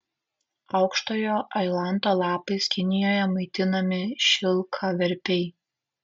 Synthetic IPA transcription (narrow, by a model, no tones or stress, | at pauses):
ɐʊkʃt̪oːjoːʔɐɪlˠɑˑnˑt̪oːlˠɑːpɐɪskʲɪnʲɪjoːjɛmɐɪt̪ʲɪnɐmʲɪʃʲɪlˠkʰɐʋʲɛɾʲpʲɛɪ